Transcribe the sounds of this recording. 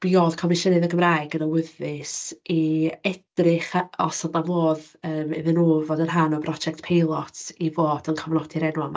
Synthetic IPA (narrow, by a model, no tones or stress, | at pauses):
b̥iɔðkʰɔmɪʃənɨðəɡəmraːɨɡənəwɪðɨsiɛd̥rɪχɔsɔdavoːðəːmɪðɨnoːvoːdənɦanɔbrɔd͡ʒɛk̚tpʰejlˠɔtʰivoːdənkʰɔvnɔdʰɪɾɛnwɔm